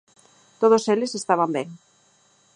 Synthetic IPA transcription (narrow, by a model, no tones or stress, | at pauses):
t̪oð̞oselesest̪aβ̞ambeŋ